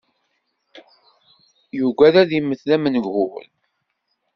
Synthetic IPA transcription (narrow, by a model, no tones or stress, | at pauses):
juɡʷæðæðimːəθlæmənəɡhʊwə̰l